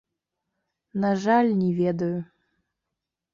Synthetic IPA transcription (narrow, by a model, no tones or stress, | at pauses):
naʐalʲnʲɛvʲɛd̪ɐju